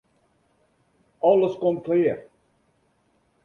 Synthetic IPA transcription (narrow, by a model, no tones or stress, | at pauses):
ɑləskɔmkʰleːr